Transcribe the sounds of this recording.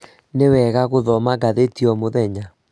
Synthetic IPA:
newɛɣaɣoðɔmaɡaðetiɔmoðɛɲa

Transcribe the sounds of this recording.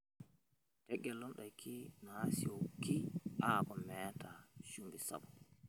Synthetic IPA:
tɛɡːɛlɔnɗajkʰinɔhasiɔkiʔakɔmɛtaʃumbisa̰bɔ

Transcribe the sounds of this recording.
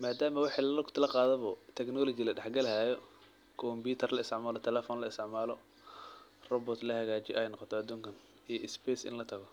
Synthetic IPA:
maːd̪aːmɐwɑħiːlɐlkʰt̪ʰɐlɐqɑːðɛβɔt̪ʰɛknɔːlɔt͡ʃɪlɐɖɛħɡɐlɐɦaːjɔ | kʰɔmbiːt̪ʰɐrlɐɪst̪ɪʕmaːlɔt̪ʰɛlɛfɔːnlɐɪst̪ɪʕmaːlɔ | rɔbɔt̪lɐhɐɣaːt͡ʃɪjɔ̰ʔɛjnɔqɔt̪ʰɔɐd̪uːŋkʰɐn | ijɔʔɪspɛːsɪ̰nlɐt̪ʰɐɣɔ

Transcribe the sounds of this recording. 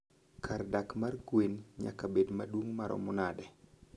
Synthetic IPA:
kʰardakmarɡwenɲa̰kabedmadwoŋmaɾʔɔ̰mʊnadɛ

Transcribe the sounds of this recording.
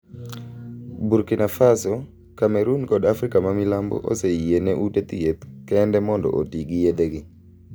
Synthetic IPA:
buɾkinafasɔ | kamɛɾunkɔdafɾikamamilambo̰ʔo̰seienɛʔutet̪jet̪kɛndɛmɔndɔ̰ʔotiɡɪjed̪eɡɪ

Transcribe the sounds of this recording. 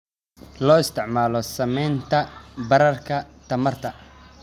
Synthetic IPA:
lɔːɪst̪ʰɪʕmaːlɔsɐmɛjnt̪ʰɐbɐɾɐrkʰɐt̪ʰɐmɐrt̪ʰɐ

